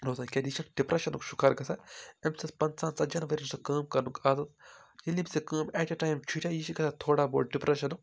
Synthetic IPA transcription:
ɾoːzakʲɐd̪iʃʰɐnɖipɾɐʃɐnukʃu̥kaːɾɡɐsʰaemsɐspɐnsaːnsɐd͡ʒɐnʋɐɾʲinusɐkɐːmkɐɾnukaːzɐt̪jɐlʲːibʲsekəːmeːʈʲɐʈaːjmt͡ʃʰuʈʲajiʃiɡɐsat̪ʰoːɽaːboːl̚ɖipɾɐʃɐnuk

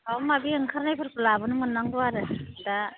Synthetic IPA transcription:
awmabiɯŋkʰaɾnajpʰɯɾpɯlabɯnɯmɯnːaŋduaɾɯda

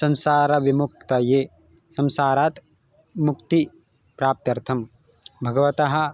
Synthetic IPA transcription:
sɐ̃nsaːɾɐʋimuk̚t̪ɐjeː | sɐnsaːɾaːt̪ | mukt̪i | pɾaːp̚t̪jɐɾt̪ʰɐm | bʱɐɡɐʋɐt̪ɐɦɐ̆

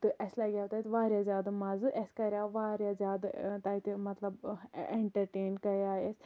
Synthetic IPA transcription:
t̪ɨʔɐsʲlɐɡʲaːwt̪aːjt̪ʲʋaːɾʲjaːzʲjaːd̪mɐzɨʔɐsʲkɐɾʲaːʋaːɾʲjazʲjaːd̪t̪aːit̪imɐt̪lɐbeɳʈɐɾʈeːnkɐɾjaːjesʲ

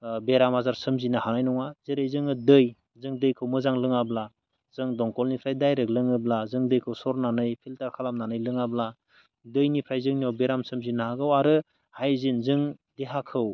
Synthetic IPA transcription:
beɾamazaɾsɯmzinahanajnɔŋazeɾejzɯŋɯdɯj | zɯŋdɯjkʰɯwmɯzaŋlɯŋabla | z̥ɯŋdɔŋkɔlnipʰɾajdajɾɯk̚lɯŋɯblazɯŋdɯjkʰɯwsɔɾnanɯjpʰiltaɾkʰalamnanɯjlɯŋabla | dɯjnipʰɾajzɯŋniawbeɾamsɯmzinaɦaɡɯwaɾɯ | hajzinzɯŋdeɦakʰɯw

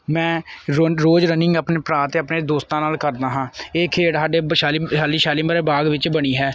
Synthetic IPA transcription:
mɛ̃ːɾɾoːd͡ʒɾənɪ̃ŋɡəpneːpɾaːt̪eːəpneːd̪oːst̪ãːnaːlkəɾd̪aːɦãːeːkʰeːɽsaːɖeːʃaːliʃaːliːʃaːliːmaːɾeːbaːɡʋɪt͡ʃbəɽ̃iːɦɛː

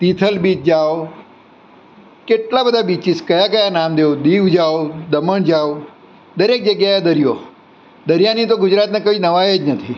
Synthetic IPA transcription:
t̪it̪ʰəlbit̪̚d͡ʒao | keʈlabəd̪ʱabit͡ʃiskəjakəjanamd̪eod̪iʋd͡ʒaʋod̪əməɳd͡ʒaʋo | d̪əɾek̚d͡ʒəɡjajed̪əɾijo | d̪əɾjanit̪oɡʊd͡ʒɾat̪nekəinəʋajed͡ʒnət̪ʰi

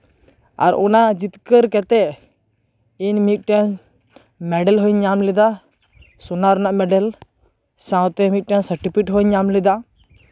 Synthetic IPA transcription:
a̰ɾɔ̰nad͡ʒit̪kəɾkɛt̪ɛ | inmit̪̚ˀʈɛ | mɛɖɛlɦɔɲamlɛd̪a | sɔnaɾnaʔmɛɖɛl | sãwt̪ɛmit̪̚ʈɛŋsəɾʈipʰiʈɦɔɲamlɛd̪a

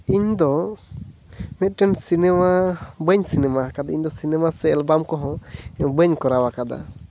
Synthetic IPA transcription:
iɲd̪ɔ | mɛt̪̚ˀʈɛnsinɛmabəɲsinɛmakad̪aiɲd̪ɔsinɛmasɛːlbamkɔɦɔ̃bəɲkɔɾawakad̪a̰

